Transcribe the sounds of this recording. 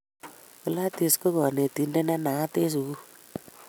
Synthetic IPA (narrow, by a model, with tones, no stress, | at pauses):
ku˦la˦ti˨sko˦kɔ˨ne˨ti˨˦nde˦nɛ˦na˨a˦te˦s̬u˨ku˦